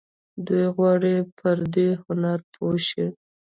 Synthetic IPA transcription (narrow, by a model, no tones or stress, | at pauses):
d̪ujɣwɑɽipʰəɾd̪ehʊnaɾpʰoʃi